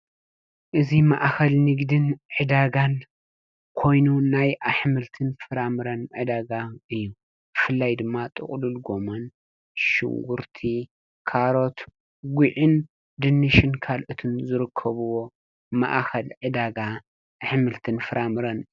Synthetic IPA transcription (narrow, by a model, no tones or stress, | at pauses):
ʔɨzimaʔxɐlnɨɡd̪ɨnʕɨd̪aɡan | kʰo̞jnunajʔaħmɨlt̪ʰɨnfɨɾamɨɾɐnʕɨd̪aɡaɨjːu | b̥ɨfɨlːajd̪ɨmːat̪ʼɨ̰χʼlulɡo̞mon | ʃɨ̰ŋɡuɾt̪ʰi | kʰaɾo̞t̪ | ɡʷiʕɨn | d̪ɨnːɨʃɪnkʰalʔot̪ʰɨnzɨɾɨkʰːɐβuwo̞ | ma̰ʔxɐlʕɨd̪aɡa | ʔaħmɨlt̪ʰɨnfɨɾʔamɨɾɐn